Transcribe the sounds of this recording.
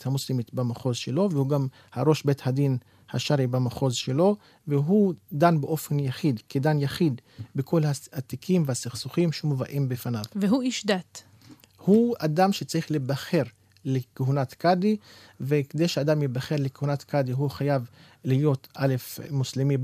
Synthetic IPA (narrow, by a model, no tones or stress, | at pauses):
thamuslimit̪bamaχo̞zʃelo̞vehuɡam | haʁo̞ʃbethad̪in | haʃaɾibamaχo̞zʃelo̞ | veɦud̪anbeʔo̞fe̞njaχid̪kedanjaχid̪bekʰo̞lhaat̪ikʰimvehasiχsuχimʃeumovaʔimbefanavveɦuiʃd̪at̪ | huad̪amʃet͡saʁiχlebaχe̞ʁ | lekeɦunat̪kadiveked̪ejʃead̪amjebaχe̞ʁlekehunat̪kadiɦuχajav | liijo̞tale̞fmuslimi